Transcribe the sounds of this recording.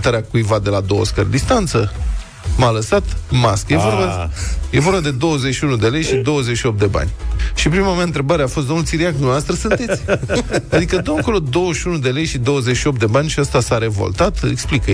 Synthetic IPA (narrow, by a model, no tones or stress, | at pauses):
t̪aɾeakujvad̪e̞lad̪o̞wə̰skərd̪ist̪ant̪sə | maləsat̪maskəjevorbaje̞vo̞ɾbad̪e̞d̪o̞wəzeʃiunud̪e̞le̞jʃid̪o̞wəzet͡ʃʃio̞p̚t̪d̪e̞ba̰nʲʃipɾimameaɨnt̪ɾe̞baɾeafost̪d̪o̞nulsiɾiak̚d̪umevast̪ɾɨsunt̪e̞t̪sʲad̪ikəd̪əmako̞lo̞d̪o̞wəʃiunud̪e̞le̞jʃid̪o̞wəzet͡ʃʃio̞p̚t̪d̪e̞banʲʃiast̪asaɾe̞vo̰lt̪at̪ḛksplikə